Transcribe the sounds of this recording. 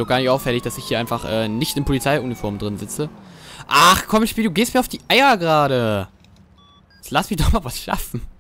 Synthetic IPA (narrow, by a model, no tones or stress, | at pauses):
dɔχɡ̥aːnɪçtʔaʊfɛlɪçd̥asɪçhiːɐaɪnfaχʔɛːnɪçtɪnpolit͡saɪʔunifɔɐmdʁɪnzɪt͡səʔaχkʰɔmɪʃpiːlduːɡeːstmiːɐʊfd̥iːʔaɪɐɡʁaːɾə | slasmɪçd̥ɔχmaːlvasʃa̰fn̩